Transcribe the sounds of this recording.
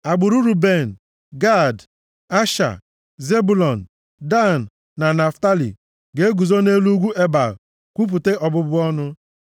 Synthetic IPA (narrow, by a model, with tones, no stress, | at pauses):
a˨ɡ͡bʊ˨ɾu˦ɾu˨be˦˨n̩˨ | ɡa˦˨d | a˦ʃa̰˨ | ze˦bu˦lɔ˨n̩˨ | da˦n̩˨ | na˨na˨fta˦lḭ˨ | ɡe˦ɡu˨zo˦ne˦lu˦ɡʷu˦e˦ba̰˨ | kʷu˦p̬u˨te˦ʔɔ˨bʊ˦bʊ˦ɔ˦nʊ˦